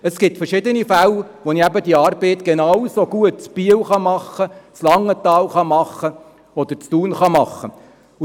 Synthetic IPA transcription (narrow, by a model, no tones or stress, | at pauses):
əsɡ̥ɪtfɛɾrʃɪd̪ənifælʋoniæbəd̥̪iɑːɾbɛɪt̪ɡ̥enɑwsoɡ̥uət̚t͡spiəwχɑmɑχət͡slɑŋːət̪ɑːlχɑmɑχə | ɔd̪əɾt͡st̪uːnχɑmɑχːə